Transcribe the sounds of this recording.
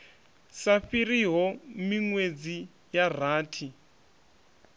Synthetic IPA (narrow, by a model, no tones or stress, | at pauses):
saɸiɾiɦɔmiŋwed͡zi | jar̤aːtʰi